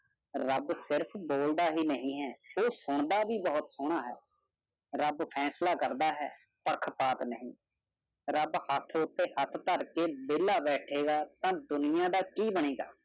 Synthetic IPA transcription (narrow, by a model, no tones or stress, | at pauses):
ɾəbsɪɾpʰboːld̪aːɦiːnəɦĩːɦɛːoːsʊɳ̃d̪aːbiːbɔɦʊt̪sʊɽ̃aːɦɛ̰ː | ɾəbpʰɛːslaːkəɾd̪aːɦɛ̰ː | pəɾkʰpaːt̪nəɦĩː | ɾəbhət̪ʰʊt̪ːeːhət̪ʰt̪əɾkeːbɪlːaːbɛːʈʰeːɡaːt̪ãːd̪ʊnɪjãːd̪aːkiːbəɽ̃eːɡa̰ː